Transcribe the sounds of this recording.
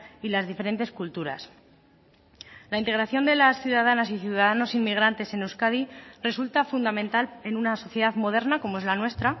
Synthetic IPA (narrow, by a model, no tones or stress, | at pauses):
ilazðife̞ɾe̞nt̪eskult̪uɾa̰s | laint̪e̞ɣɾaθjo̞nd̪e̞lasθjuðaðanasiθjuðaðano̞sinmiɣ̞ɾant̪e̞se̞newskaðire̞sult̪afund̪amẽ̞nt̪ale̞nunaso̞θje̞ðaðmo̞ð̞e̞ɾnako̞mo̞e̞zlanwe̞st̪ɾa